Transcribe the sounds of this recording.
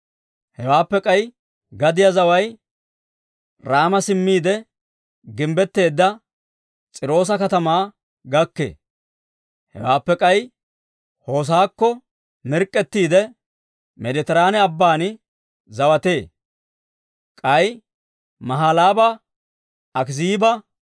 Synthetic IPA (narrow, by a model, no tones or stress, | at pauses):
hɛwaːpːɛkʼɐj | ɡɐd̪ɪjɐzɐwɐj | ɾaːmɐsɪmːiːd̪ɛ | ɡɪmbɛt̪ːe̞ːd̪ːɐ | t͡sʼɪɾo̞ːs̬ɐkɐt̪ɐmaː | ɡɐkːḛː | hɛ̰waːpːɛkʼɐj | ho̞ːs̬aːkːɔ | mɪɾkʼːɛt̪ːiːd̪ɛ | mɛd̪ɛt̪ɛɾaːnɛɐbːaːnɪ | zɐwɐt̪e̞ː | kʼɐj | mɐɦaːlaːbɐ | ɐkziːbɐ